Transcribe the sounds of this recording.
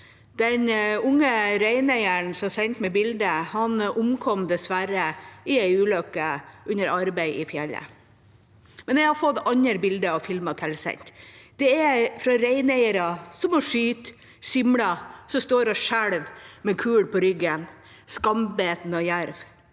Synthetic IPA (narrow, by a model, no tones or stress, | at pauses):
d̪̥ɛnʊŋːəɾæɪnæɪəɳsɔsɛɪnt̪mɛbɪld̪əhɑnʊmkʰɔmd̪ɛsʋæɾəɪæɪʉːlœkːəʉnəɾɑɾbæɪʔɪfjɛlːə̰ | mɛnɛɪhɑɾfɔt̪ːɑɲəɾbɪld̪əɑfɪlmɑt̪ʰɛlsɛ̰ɲt̪d̪̥ɛɛfɾɑɾæɪnæɪəɾɑsɔmɔʂyːt̪ | sɪmlɑsɔst̪oːɾɑʂæɽʋmɛkʰʉːɽpʰɔɾʏɡːən | skɑmbeːt̪n̩ɔjæɾʋ